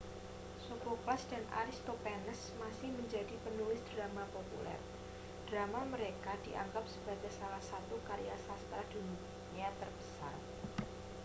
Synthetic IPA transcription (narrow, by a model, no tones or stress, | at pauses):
sokoklasd̥anʔa̰ɾɪst̪opɛnəsmasɪhməɲd͡ʒadipənulɪsd̥ɾamapopṵlɛ̰r | d̥ɾamaməɾekad̥iʔa̰ŋɡap̚səb̥aɡajsalahsat̪ukaɾjasast̪ɾad̥unik | ɲat̪ərb̥əsa̰r